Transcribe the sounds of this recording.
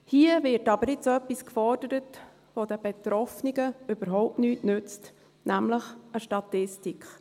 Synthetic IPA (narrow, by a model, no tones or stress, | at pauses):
hiəvɪɾtɑbəɾɪtt͡sœpːiskfɔrd̥əɾət | ʋod̥əb̥ɛt̪ɾɔfniɡəøb̥əɾɦɔʊp̚tnyːtnʉt͡st | næmləχəʃtɑtɪstikχ